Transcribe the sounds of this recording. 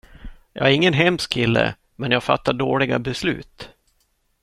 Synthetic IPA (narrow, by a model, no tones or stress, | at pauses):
jɑ̰ːæɾɪŋːənɦɛmskʰɪlːə̰ | mɛnjaːɡfa̰t̪ːaɖoːɭɪɡabɛslʉ̟ːt̪